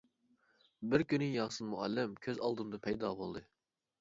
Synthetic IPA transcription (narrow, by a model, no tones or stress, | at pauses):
bɪɾkʲynɪjɑːsɨnmuælːɪmkʲʰøzɑlˠd̪ɨmd̪ɑpʰɛjd̪ɑːbolˠd̪ɨ